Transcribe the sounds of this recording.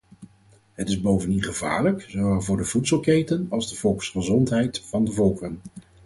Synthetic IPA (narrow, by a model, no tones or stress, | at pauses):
ɦətɪzbowvəndinχəva̰ːɹləkzowɛlˠvʊːɹdəvutsəlˠkejtənɑlˠzdəv̥ɔlˠksχəzɔntɦɛjtfɑndəvɔlˠkən